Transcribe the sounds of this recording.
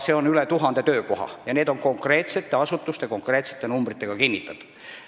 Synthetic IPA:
se̞o̞nylet̪uɦɑnd̪e̞t̪ø̞ːko̞ɦɑ̰jɑne̞ːd̪̥o̞ŋko̞ŋkre̞ːt̪se̞t̪ːˑe̞ɑsut̪ːˑust̪eko̞ŋkre̞ːt̪se̞̥t̪ːˑe̞numbrit̪ːˑeɡ̥ɑkinʲːit̪ːˑɑt̪

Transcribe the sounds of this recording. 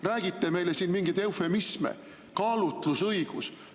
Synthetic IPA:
ræːɡ̥it̪ːe̞me̞jlesiːnmiŋɡ̥ejd̪e̞wfe̞mismḛ | kɑːlut̪ˑlusɤjɡ̥us

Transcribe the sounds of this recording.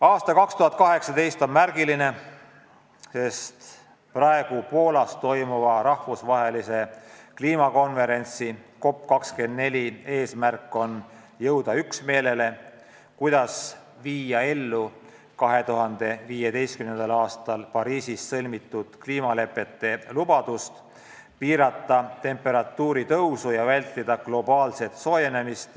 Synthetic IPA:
ɑːst̪ɑkɑkst̪uɦɑt̪̚kɑɦe̞ksɑt̪e̞jst̪o̞nmærɡ̥iline̞ | se̞st̪ | prɑe̞ɡ̥upo̞ːlɑst̪o̞jmuvɑɾɑhvusvɑɦe̞lise̞kliːmɑko̞nve̞ɾe̞nʲt̪siko̞pːkɑkske̞nd̪̥ne̞lʲie̞ːsmærkːˑo̞n | jɤwd̪̥ɑyksme̞ːle̞le̞ | kujd̪̥ɑs | viːjɑe̞lːu | kɑɦe̞t̪uɦɑnd̪̥e̞viːje̞d̪e̞jst̪kymnend̪ɑlɑːst̪ɑlpɑɾiːsissɤlʲmit̪ˑːud̪̥kliːmɑle̞pːˑe̞t̪ːe̞lub̥ɑd̪̥ust̪ | piːɾɑt̪ˑːɑt̪e̞mpːˑe̞ɾɑt̪ːuːɾit̪ɤwsujɑvælʲt̪ˑːid̪̥ɑɡ̥lo̞bɑːlse̞t̪so̞ːje̞ne̞mist̪

